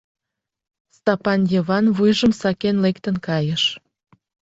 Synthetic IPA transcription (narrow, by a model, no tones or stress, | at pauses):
st̪ɑpɑnjeβɑnβujʒəmsɑkenlekt̪ənkɑjəʃ